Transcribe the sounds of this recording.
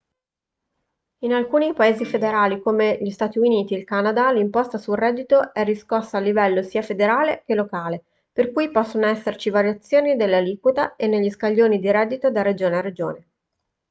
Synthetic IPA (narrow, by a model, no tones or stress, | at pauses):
inalkuːnipaeːzifed̪eɾaːlikomeʎist̪aːt̪iuniːt̪iːlkanad̪alimpɔst̪asulrɛd̪ːit̪oɛriskɔsːaːlːivɛlːosiːafed̪eɾaːlek̟elokaːle | perkujpɔsːonoɛsːert͡ʃivaɾjat̪sːjoːnid̪elːalikwot̪aenːeʎːiskaʎːoːnid̪iɾɛd̪ːit̪od̪arːed͡ʒoːneared͡ʒo̰ːne